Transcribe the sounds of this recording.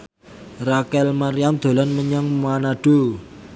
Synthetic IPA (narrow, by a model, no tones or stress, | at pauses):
rakɛlmaɾijand̪̥o̤lanməɲaŋmanaɖ̥o